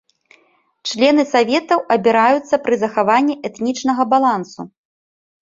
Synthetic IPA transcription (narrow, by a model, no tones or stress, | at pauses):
t͡ʂlʲɛnɨsavʲɛt̪ɐwʔɐbʲiɾajut̪sːɐpɾɨzɐxavanʲːiʔɛt̪nʲit͡ʂnɐɣɐbalˠansṵ